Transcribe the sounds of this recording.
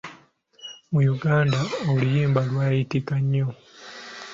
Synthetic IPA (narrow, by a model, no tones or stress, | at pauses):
mujuɡaːndaolijiːmbalwaːjitikaɲːo̞